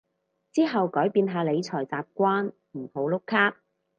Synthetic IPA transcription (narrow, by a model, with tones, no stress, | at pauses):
t͡siː˥ɦɐ˨wkɔː˨˥jpiː˧nɦaː˧le˨˧jt͡sʰɔː˨˩jt͡saː˨p̚kʷaː˥n | m̩˨˩ho˨˥wlʊ˥kʰːaː˥k̚